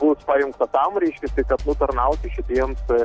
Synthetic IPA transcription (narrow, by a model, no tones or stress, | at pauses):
bʊspɑjʊŋkt̪ɐt̪ɐmɾʲɛɪʃʲkʲɛst̪ɐɪkɐt̪nʊt̪ɐɾnɐʊk̪ʲɪʃʲɪt̪ʲiɛms